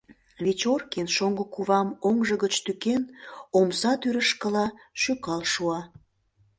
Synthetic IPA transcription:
βet͡ɕorkenʃoŋɡəkuβɑmoŋʒəɣət͡ɕt̪ykenomsɑt̪yɾəʃkəlɑʃykɑlʃuɑ

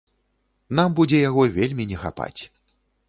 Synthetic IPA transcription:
nambud͡zʲɛjaɣɔvʲelʲmʲinʲɛxa̰pa̰t͡sʲ

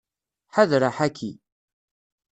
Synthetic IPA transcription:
ħaðɾaħækʰːḭ

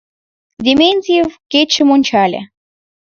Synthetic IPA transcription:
dʲemʲenʲzʲijewkʲet͡ɕːɘ̆monʲt͡ɕɑlʲḛ

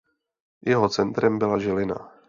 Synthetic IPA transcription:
jɛɦo̞t͡sɛnt̪ɾɛmbɪlaʒɛlɪna̰

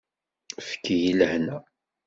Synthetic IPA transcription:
fə̥kːijiləhnæ

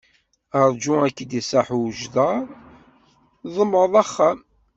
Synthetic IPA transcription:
əɾˤd͡ʒʊækːd̪isˤaħuʒðɑˤ | ðˤəmːðˤɑχːæm

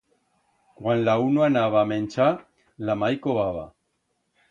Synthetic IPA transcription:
kwanlaunuanaβ̞aːmẽnʲt͡ʃa | lamajkoβaβa̰

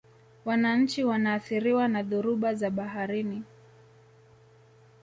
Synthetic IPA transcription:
wanaɲ̩t͡ʃiwanaːθiɾiwanaðuɾuɓazaɓaɦaɾini

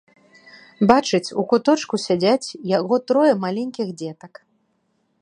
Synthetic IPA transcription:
bat͡ʂɨt͡sʲukut̪ɔt͡ʂkusʲad͡zʲat͡sʲjaɣɔt̪ɾɔjɛmalʲɛnʲkʲiɣd͡zʲɛt̪ɐk

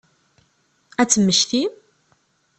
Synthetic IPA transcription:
æt͡sːəmːəʃtim

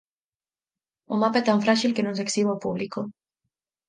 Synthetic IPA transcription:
umapaɛt̪ãɱfɾaʃilkenõnseksiβalpubliko

